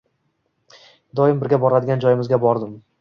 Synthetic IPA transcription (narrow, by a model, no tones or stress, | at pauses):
d̪ɒjɪmbɪɾɡʲabɒɾad̪ɪɡʲand͡ʒɒjɪmɪzɡʲabɒɾd̪ɪm